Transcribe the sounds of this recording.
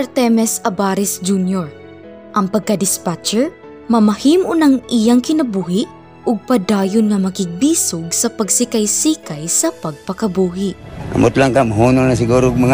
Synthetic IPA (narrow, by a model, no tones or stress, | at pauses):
ɛɾt̪ɛmɛsɐbaːɾɪsd͡ʒunjoɹ | ʔɐŋpɐɡ̚kɐd̪ɪspat͡ʃɛɹ | mɐmɐhiːmʔʊnɐŋʔɪjaŋkɪnɐbuːhɪʔ | ʔʊɡ̚pɐd̪aːjonŋɐmɐkɪɡ̚biːsʊɡ̚sɐpɐɡsɪkajsiːkɐjsɐpɐɡ̚pɐkɐbuːɦɪʔɡɐ̰mot̪laŋkamaɦuːnonas̬ɪɡuːɾoɡmɐŋ